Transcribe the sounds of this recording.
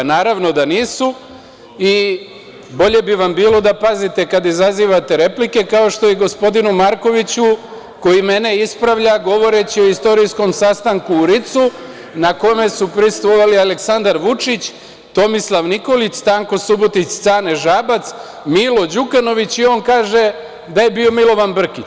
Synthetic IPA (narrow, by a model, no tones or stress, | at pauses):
naːɾaʋno̞d̪aniːsu | i | bo̞ʎe̞biʋambiːlo̞d̪apazit̪e̞kad̪izaziːʋat̪e̞ɾe̞plike̞kao̞ʃt̪o̞jeɡo̞spo̞d̪inumaɾko̞ʋit͡ɕu | ko̞jime̞ne̞ispɾaʋʎaɡo̞ʋo̞ɾe̞t͡ɕio̞ist̪o̞ɾisko̞msast̪aŋkuːɾit̪su | nako̞me̞supɾist̪ʋoʋalialeksand̪aɾʋut͡ʃit͡ɕ | t̪o̞mislˠaʋniko̞lit͡ʃt̪aːŋko̞subot̪it͡ɕt̪saːneʒaːbat̪s | miːlo̞d͡ʑukano̞ʋit͡ɕio̞ːŋkaːʒe̞ | d̪aje̞bio̞milo̞ʋanbr̩kit͡ɕ